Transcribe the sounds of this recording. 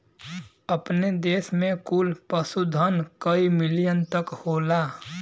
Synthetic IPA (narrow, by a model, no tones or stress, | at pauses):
əpned̪eːsmẽkulpəsud̪ʱənkəimɪlijənt̪əkhoːlaː